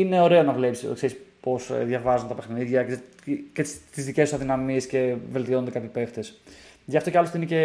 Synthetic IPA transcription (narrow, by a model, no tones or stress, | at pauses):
ine̞o̞ɾe̞o̞nɐvle̞psḭkseɾispo̞sðʝɐvɐzunt̪ɐpexniðʝɐ | cet̪izðicest̪sɐðinɐmie̞sce̞ve̞lt̪io̞nond̪ekɐpçipe̞ft̪esʝɐft̪o̞ceɐlost̪inece